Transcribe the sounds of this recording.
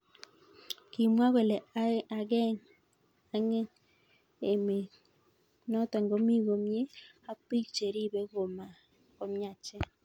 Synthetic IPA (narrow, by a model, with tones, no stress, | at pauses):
ki˨mwa˦ɣe˨le˨a˨ɣɛ˦ | a˨ŋe˦ | e˨me˨ | nɔ˦tɛ˨ŋɡo˦mi˦ɣo˨mje˦ | a˦pi˦t͡ʃe˨ɾi˦βe˦ɣo˨ma˨ | ko˨mja˨t͡ʃɛ˦